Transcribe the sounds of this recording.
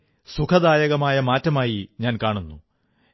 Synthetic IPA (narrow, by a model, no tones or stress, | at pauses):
sukʰɐd̪aːjɐɣɐmaːjɐmaːtːɐmaːjiɲaːnkaːɳunːu